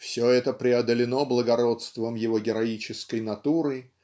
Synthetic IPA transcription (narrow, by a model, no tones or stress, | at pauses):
fsʲoɛt̪əpɾʲɪɐd̪əlʲɪno̞blˠəɡɐɾo̞t̪st̪vəmjɪvo̞ɡʲɪɾɐit͡ɕɪskəjnɐt̪uɾɨ